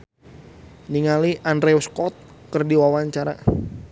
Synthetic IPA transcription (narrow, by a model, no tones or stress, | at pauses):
niŋaliʔandɾɛuskɔt̪̚kərdiwawaɲt͡ʃaɾa̰